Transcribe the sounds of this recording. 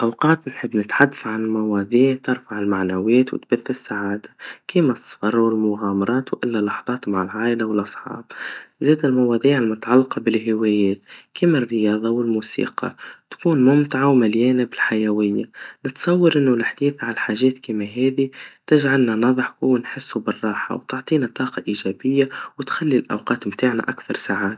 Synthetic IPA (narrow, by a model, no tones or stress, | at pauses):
ʔawqɑːt̪nħɪbːnɪt̪ħad̪ːaθʕanɪlmawɑːðˤiːʕt̪ɪɾfaʕɪlmaʕnawɛːt̪wɪ̰t̪baθːɪsːaʕaːd̪akʰiːmasˤːɑ̥fɑɾˤwɪlmʊɣaːmɑɾˤɑːt̪wʔɪlːalɑħðˤɑːt̪maʕɪlʕaːʔɪlawɪlʔɑsˤħɑ̰ːb̥zeːd̪ɪlmɑwɑːðˤiːʕɪlmʊt̪ʕalːqɑbɪlɦɪwɛːjɛːt̪kiːmarːɪjɑːðˤɑwɪlmuːsḭːqɑ̰t̪kuːnmʊmt̪aʕawmaljɛːnabɪlħajæwɪjːanɪt̪sˤɑwːɑɾʔɪnːʊlɪħd̪iːθʕanħaːʒɛːt̪kiːmæɦɛːðit̪ɪʒʕalnanɑðˤəħhʊwːnħɪsːubɪrˤːɑːħɑ̰wt̪ʊʕt̪ˤiːnat̪ˤɑːqɑʔiːʒɛːbɪjːawɪt̪xalːilʔa̰wqɑːt̪mt̪aːʕna̰ʔakθɑɾˤsaʕaːt̪